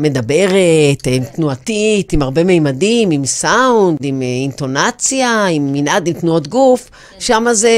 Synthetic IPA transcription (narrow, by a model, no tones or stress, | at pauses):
me̞d̪abe̞ʁet̪imt̪nuatitimaʁbe̞mejmadimimsaundimint̪o̞nat͡sjaimːinʔadimt̪nuo̞t̪ɡuf | ʃamaze